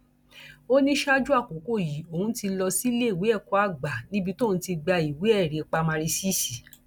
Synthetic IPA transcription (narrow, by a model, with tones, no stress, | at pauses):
o˦nĩ˦ʃa˦d͡ʒu˦a˦˨ko˨˦ko˦˨ji˨˦o˨hũ˧˦ti˧lɔ˧si˦le˦i˦˨we˨˦ɛ˦˨kɔ˨˦a˦˨ɡ͡ba˨nĩ˦bi˧to˦˨ũ˨˦ti˧ɡ͡ba˧i˨we˨˦ɛ˦˨ɾe˨k͡pa˧mã˧ɾi˧si˦˨si˨